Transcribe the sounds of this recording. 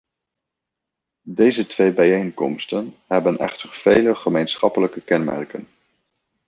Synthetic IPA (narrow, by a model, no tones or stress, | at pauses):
dejzətʋejbɛjejŋkɔ̰mstənɦɛbənɛ̰χtəɹv̥ejləχəmejnsχɑpələkəkɛnmɛ̰rkən